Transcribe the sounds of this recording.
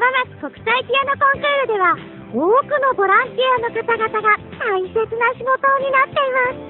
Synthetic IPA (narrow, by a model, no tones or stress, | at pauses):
bamat͡sɨ̥ko̞kɯ̟̥saikʲijano̞kõ̞ŋkɾɯːɾɯ̟d̪e̞βa | oːkɯ̟no̞bo̞ɾãnt̪iano̞kat̪aɡat̪aɡat̪ãĩse̞t͡sɨnaɕiɡo̞t̪o̞ːɲ̟inat̪ːe̞imasɨ̥